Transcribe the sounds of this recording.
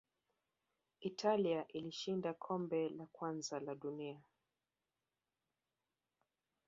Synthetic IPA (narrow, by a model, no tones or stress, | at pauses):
itʰaliaʔiliʃindakʰɔmbɛlakwanzalaɗunia